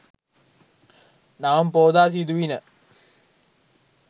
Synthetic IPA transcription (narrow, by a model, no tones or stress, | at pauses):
naʋɐmpoːd̪aːs̬id̪uʋinə